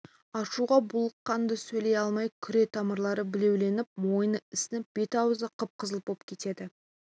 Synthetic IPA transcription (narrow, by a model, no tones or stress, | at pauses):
ɑʃuʁɑbʊlˠəqːɑnd̪əsɵjle̞jɑlˠmɑjkʲʰʏɾe̞t̪ʰɑməɾlˠɑɾəbɪle̞wle̞nɪp̚mo̞jənəɪsɪnɪp̚b̥e̞t̪ɑwəzəqʰəp̚qʰəzəlˠp̚op̚kʲʰe̞t̪e̞d̪ɪ